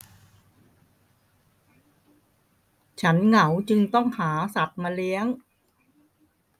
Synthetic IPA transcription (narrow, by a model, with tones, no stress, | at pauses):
t͡ɕʰa˦˥nŋa˩˦wt͡ɕɯ˧ŋt̪ɔ˥˩ŋhaː˩˦sa˨˩t̪̚ma˧li˦˥əŋ